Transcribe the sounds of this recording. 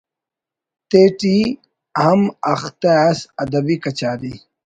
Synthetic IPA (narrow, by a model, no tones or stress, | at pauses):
t̪eːʈi | ɦɐmɐxt̪easɐd̪ɐbikɐt͡ɕaːd̪i